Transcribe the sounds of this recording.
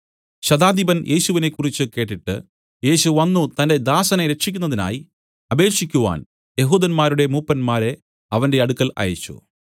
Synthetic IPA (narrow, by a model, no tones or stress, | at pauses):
ɕɐd̪aːd̪ibɐnjʔe̞ːɕuʋine̞kːurit͡ɕːɨke̞ːʈːiʈːɨ̰ | je̞ːɕuʋɐnːut̪ɐnde̞d̪aːsɐneɾe̞ʈʂikʲːunːɐðina̰ːji | ɐbe̞ːkʂikʲːuʋa̰ːn | je̞ɦuːd̪ɐnmaːɾuɽe̞muːpːɐnmaːɾe̞ | ɐʋɐnde̞ɐɽukːɐlɐ̰jɐt͡ɕːṵ